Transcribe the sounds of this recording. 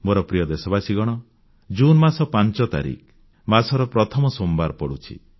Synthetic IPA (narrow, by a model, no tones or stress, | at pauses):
moɾɔpɾijɔd̪esɔbasiɡɔɽ̃ɔ | d͡ʒunmasɔpant͡ʃɔt̪a̰ɾḭk | masɔɾɔpɾɔt̪ʰɔmɔsombaɾpɔɽut͡ʃʰḭ